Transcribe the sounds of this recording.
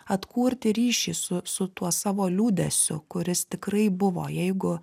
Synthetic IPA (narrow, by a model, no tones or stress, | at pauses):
ɐt̪kuːɾʲt̪ʲɪɾʲiːʃʲiːsʊsʊt̪uɔsɑːʋoːlʲuːd̪ʲɛsʲʊ̰kʊɾʲɪst̪ʲɪkɾɐɪbʊʋo̰ːjɛɪɡʊ